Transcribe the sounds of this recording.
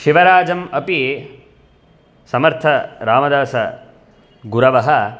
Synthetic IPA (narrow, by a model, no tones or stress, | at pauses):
ʃiʋɐɾaːd͡ʒɐmɐpi | sɐmɐɾt̪ʰɐɾaːmɐd̪aːsɐ | ɡuɾɐʋɐɦɐ